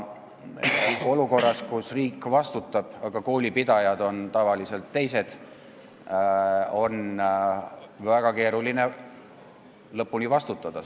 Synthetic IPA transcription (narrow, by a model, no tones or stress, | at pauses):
o̞luko̞rːɑskusriːkːˑvɑst̪ut̪ːˑɑb̥ɑɡ̥ɑko̞ːlʲipid̪̥ɑjɑd̪̥o̞nt̪ɑvɑlise̞lt̪ːe̞jse̞d̪̥ | o̞n | væɡ̥ɑke̞ːɾuline̞ | lɤpːunivɑst̪ut̪ːˑɑd̪̥ɑ